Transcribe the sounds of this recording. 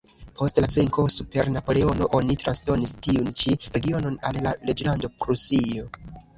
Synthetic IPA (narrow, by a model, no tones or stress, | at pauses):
pʰo̞stlaveŋko̞supe̞ɾnapo̞le̞o̞no̞ʔo̞nitɾansdo̞nistiunt͡ʃiɾe̞ɡio̞no̞na̰llaɾe̞d͡ʒlando̞pɾusio̞